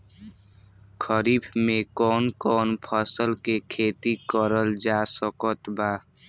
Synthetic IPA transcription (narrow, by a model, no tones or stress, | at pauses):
kʰəɾiːbʰmẽkɔːnkɔːnpʰəsəlkekʰeːt̪ikəɾəld͡ʒaːsəkət̪baː